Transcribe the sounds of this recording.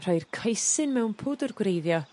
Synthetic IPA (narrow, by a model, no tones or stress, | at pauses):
r̥ajrkʰajsɨnmɛwnpʰoːdɔrɡwrejðjɔ